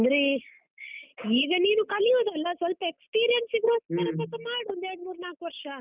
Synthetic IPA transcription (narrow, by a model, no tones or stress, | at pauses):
ɐnd̪ɾi | iːɡɐniːnukɐlijoːd̪ɐlːɐsʋɐlpɐekspiːɾijɐnsiɡɾoːsmɐɾɐt̪ɐt̪ɐmaːɽuɐnd̪eɾɽmuːɾnaːkʋɐɾʂɐ